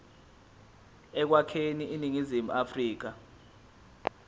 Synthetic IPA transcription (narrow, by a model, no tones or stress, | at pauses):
ɛk̬wakʰeniʔiniŋizimuafriːk̬a